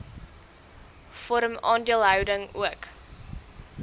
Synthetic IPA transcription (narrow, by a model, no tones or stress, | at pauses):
fɔɾəmɑːndiəlˠɦœwdəŋṵək